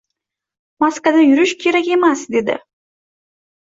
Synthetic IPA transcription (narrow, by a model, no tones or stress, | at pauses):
maskvad̪ajʊɾɪʃkʲʰeɾakʲe̞masd̪e̞d̪ɪ̰